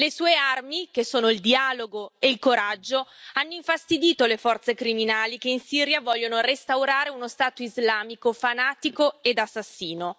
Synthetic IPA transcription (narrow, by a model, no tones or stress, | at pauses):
lesuːearmik̟esːoːnoild̪iaːloɡoeilkoɾad͡ʒːoanːoiɱfast̪id̪iːt̪olefɔrt̪sekɾiminaːlik̟einsiːɾjavɔʎːonorest̪awɾaːɾeunost̪aːt̪oizlaːmikofanaːt̪ikoed̪asːasːiːno